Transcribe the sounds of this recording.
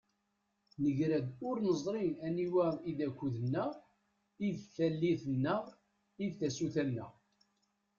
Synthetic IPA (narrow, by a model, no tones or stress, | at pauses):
nəʝɾæd̪ʊɾnəzˤɾˤiæniwæiðækʷːuðənːæ | iðθælːiθənːə | iðθæsuθænːæ̰